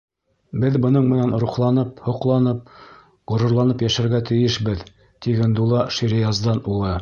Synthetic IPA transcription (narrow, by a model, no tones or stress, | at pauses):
bɘðbɤ̆nɤɴmɘ̆nænɾuχlˠɑnɤp̚hŏqlˠɑnɤp̚ | ʁŏɾŏɾlˠɑnɤpjæʃæɾɡæt̪ɘ̆jɘʃbɘð | t̪iɡænd̪ulˠɑʃiɾʲɪɑzd̪ɑnulˠɤ